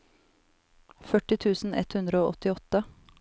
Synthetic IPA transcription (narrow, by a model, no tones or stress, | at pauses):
fœʈɪt̪ʰʉːsn̩ɛ̰t̪hʉnd̪ɾəoːʔɔt̪ɪɔt̪ə